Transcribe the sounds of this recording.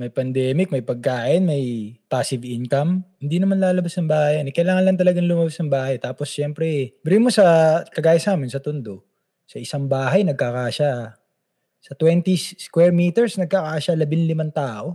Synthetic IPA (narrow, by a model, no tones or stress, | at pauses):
mɐjpɐnd̪ɛːmɪk̚mɐjpɐɡ̚kaːʔɪnmɐjpaːsɪvinkɐmhɪnd̪inɐmanlaːlɐbasnɐŋbaːhjɐnɛkɐjlaːŋɐnlɐnt̪̬ɐlɐɡaŋlʊmɐbasnɐŋbaːhɐjt̪aːposʃɛmpɾɛbɪɾimosɐkɐɡaːjɐsaːmɪnsɐt̪ʊnd̪o̞ | sɐʔɪsaŋbaːɦɐjnɐɡ̚kakaːʃa | sɐt̪wɛnt̪iskwɛɹmiːt̪ɛɹsnɐɡ̚kakaːʃalɐbɪnlɪmant̪aːʔo̞